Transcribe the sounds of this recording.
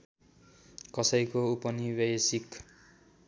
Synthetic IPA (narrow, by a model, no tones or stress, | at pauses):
kʌsʌjkoupʌniwjʌjsik